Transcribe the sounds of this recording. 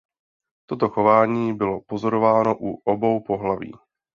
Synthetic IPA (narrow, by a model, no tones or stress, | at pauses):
t̪ot̪o̞xo̞vaːɲiːbɪlo̞po̞zo̞ɾo̞vaːnoʔuʔobowpo̞ɦlavḭː